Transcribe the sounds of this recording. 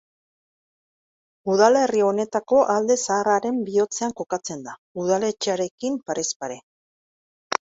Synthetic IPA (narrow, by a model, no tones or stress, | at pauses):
uðale̞rio̞ne̞t̪ako̞ʔald̪e̞saːraɾe̞mbio̞t͡seaŋko̞kat͡se̞nd̪a | uð̞ale̞t͡ʃeaɾe̞kimpaɾʔe̞spaɾe̞